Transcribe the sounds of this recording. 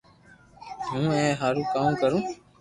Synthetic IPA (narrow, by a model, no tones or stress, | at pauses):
ɦũːẽːɦəɾkaːũːkəɾũː